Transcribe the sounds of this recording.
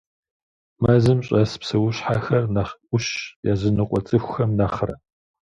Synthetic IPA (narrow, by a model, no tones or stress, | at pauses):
mɐzɨmɕʼɐspsɨwʊɕħaxɐrnaχʷʊɕjaːzɨnɨqʷʼɔt͡sʼɨxʷxɐmnaːχrɐ